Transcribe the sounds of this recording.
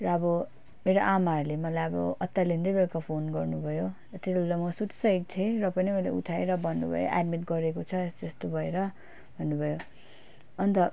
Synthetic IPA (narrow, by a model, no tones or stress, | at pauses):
rʌʌbʌ | meɾoʔamaʌɾulemʌlajʌbʌ̰ʌt̪ːalind̪ʌbelkapʰonɡʌrnubʱʌjo | ʌt̪esulamʌsut̪i̥sʌik̚t̪ʰerʌpʌnimʌlḛṵʈʰaeɾʌbʱʌnːṵbʱʌ̰jo̰ʔa̰ɖmiʈɡʌɾekot͡sʰʌest̪est̪obʱʌeɾʌ | bʱʌnːubʱʌjo | ʌnt̪ʌ